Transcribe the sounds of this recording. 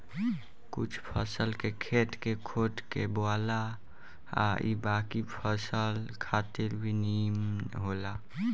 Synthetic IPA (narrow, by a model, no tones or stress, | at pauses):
kʊt͡ʃʰpʰəsəlkekʰeʈ̪kekʰoːʈkeboaːla | a̰ḭbaːkipʰəsəlkʰaːt̪ɪɾbʱinimɦola